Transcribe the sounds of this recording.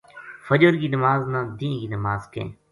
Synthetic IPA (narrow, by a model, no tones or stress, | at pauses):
fəd͡ʒəɾɡinəmaːznãːd̪ĩːɡinəmaːzkḛ̃ː